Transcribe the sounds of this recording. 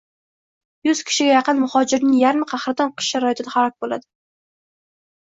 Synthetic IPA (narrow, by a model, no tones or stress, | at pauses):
jʊz̥kʲʰɪ̥ʃɪɡʲajɑqɨnmʊhɒd͡ʒɪɾnɪŋjaɾmqʰɑhɾɪt̪ɒnqʰɨ̥ʃʃaɾɒjɪt̪ʰɪd̪ahaɾɒk̚ʲbola̰d̪ɪ